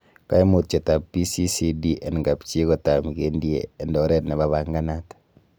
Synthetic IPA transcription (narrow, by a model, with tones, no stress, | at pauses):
ka˦i˦mo˨t̚t͡ʃe˨ta˨pːi˦si˦si˦di˦ʔɛ˨nŋɡapt͡ʃi˦kɔta˨mikendjḛːndɔ˦ɾɛ˦tne˨βaβaŋɡanatḁ